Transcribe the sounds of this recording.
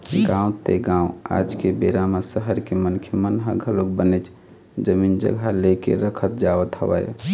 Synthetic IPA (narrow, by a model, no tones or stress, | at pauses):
ɡãũt̪eɡãũa̰d͡ʒkebeɾamasəɦəɾkemənkʰjəmənɦəɡʱəlok̚bənɛt͡ʃʰ | d͡ʒəmind͡ʒə̰ɡʱalekḛɾəkʰət̪̚d͡ʒaʋət̪ɦə̰ʋə̰j